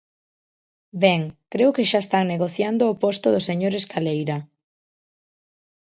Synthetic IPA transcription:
bɛŋkɾeʊkeʃaest̪aŋneɣ̞oθjand̪oːpost̪ʊðʊseɲoɾeskalejɾɐ

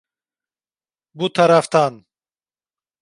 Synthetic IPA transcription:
but̪ʰaɾaft̪an

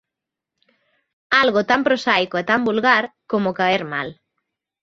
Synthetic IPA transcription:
alɣot̪ampɾosajkoet̪ambulɣaɾkomokaeɾma̰l

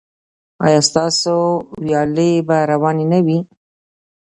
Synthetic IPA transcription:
ɑ̰jɑst̪ɑsowjɑlebaɾawɑnenawi

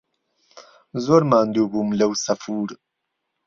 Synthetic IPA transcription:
zoɾmaːnd̪ubumlɐwsɐfuːɾ

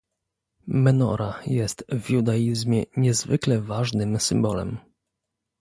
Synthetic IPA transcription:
mɛnɔ̰ɾajɛst̪vʲjud̪aizmʲjɛɲɛzvɘklɛvaʐnɘmsɘmbɔlɛ̰m

